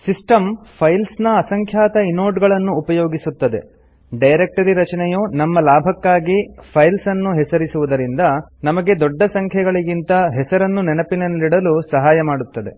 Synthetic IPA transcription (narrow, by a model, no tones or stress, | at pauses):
sisʈɐmpʰɐjlsnɐːsɐŋkʰjaːt̪ɐinoːʈɡɐɭɐnːuːpɐjoːɡisut̪ːɐd̪e̞̰ | ɖɐjɾek̚ʈɐɾiɾɐt͡ʃɐnɛjoːnɐmːɐlaːbʱɐkːaːɡipʰɐjlsɐnːuɦɛsɐɾisuʋud̪ɐɾind̪ɐnɐmɐɡe̞d̪ɔɖːɐsɐŋkʰjɐɡɐɭiɡint̪ɐɦɛsɐɾɐnːunɛnɐpinɐnɐliɽɐlusɐɦaːjɐmaːɽut̪ːɐd̪e̞̰